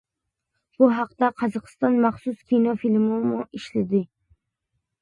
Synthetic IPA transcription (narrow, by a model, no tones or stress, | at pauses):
b̥ʊɦɑqt̪aqʰɑzɒqɨ̥st̪ɒnmɑχsʊskʲʰinɔfilmɪmʊʔɪʃlɪd̪ɪ